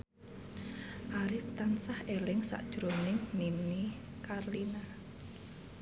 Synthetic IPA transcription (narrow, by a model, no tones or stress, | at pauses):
ʔaɾɪft̪ansahʔelɪŋsa̰ʔd̥ʒ̥ɾonɪŋnini | karlina